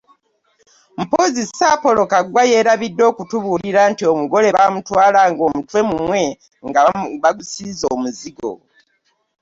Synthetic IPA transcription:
m̩pozisapo̞lo̞kaɡwaje̞ːɾaβidːo̞ːkutuβuliɾantio̞muɡo̞le̞βamutwaːlaːŋɡo̞ːmutwe̞mumwe̞ | ŋɡaβaɡusizoːmuziɡo̞̰

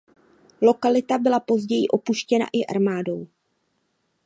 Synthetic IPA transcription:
lo̞kalɪt̪abɪlapo̞zɟɛjɪʔo̞puʃcɛna̰ʔɪʔa̰ɾmaːdo̞w

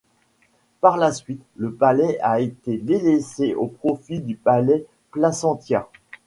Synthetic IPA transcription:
paʁlasɥit̪ləpalɛaet̪ed̪eleseʔopχɔfid̪ypalɛ | plasɑ̃t̪jɛ

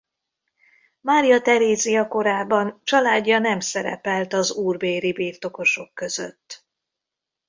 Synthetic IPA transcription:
maːɾijɒt̪ɛɾeːzijɒko̞ɾaːbɒnt͡ʃɒlaːɟːɒnɛmsɛɾɛ̰pɛlt̪ɒzuːrbeːɾibiːrt̪o̞ko̞ʃo̞kːø̞zø̰t̪ː

